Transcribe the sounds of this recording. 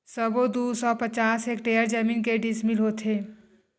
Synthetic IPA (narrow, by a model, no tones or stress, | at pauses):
səbod̪usɔpət͡ʃasekʈejəɾd͡ʒəminkeɖismilɦot̪ʰe